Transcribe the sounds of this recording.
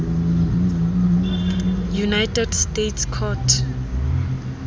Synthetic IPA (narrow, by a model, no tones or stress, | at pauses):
junajtʰɛdstetskʰɔtʰ